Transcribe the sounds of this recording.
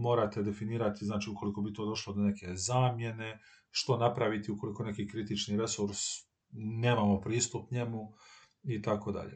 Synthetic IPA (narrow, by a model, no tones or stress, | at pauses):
mo̞ːɾat̪e̞d̪e̞finiːɾat̪iznaːt͡ʃiːuko̞liko̞bit̪o̞ːd̪o̞ʃlod̪o̞ne̞kʰe̞zaːmje̞ne̞ | ʃt̪o̞napɾaʋit̪iuko̞liko̞ne̞kikɾit̪it͡ʃniɾe̞suɾs | ne̞ːmamo̞pɾiːst̪upɲe̞mu | it̪ako̞d̪a̰ʎḛ